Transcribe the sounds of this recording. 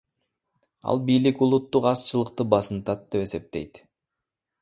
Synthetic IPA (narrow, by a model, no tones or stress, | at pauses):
ɑ̰lˠbijlikulˠut̪ːuqɑst͡ʃɯlˠəqt̪ɯbɑsɯnt̪ɑt̪̚d̪e̞pe̞se̞p̚t̪ejt̪